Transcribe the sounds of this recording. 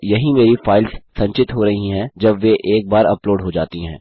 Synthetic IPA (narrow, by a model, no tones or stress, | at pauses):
jɐɦĩmeːɾifaːɪlzsɐ̃ɲt͡ʃɪt̪ɦoɾɐɦiɦɛ̃d͡ʒɐbʋeʔeːk̚baːɾɐploːɖɦod͡ʒa̰ːt̪iɦɛ̃ː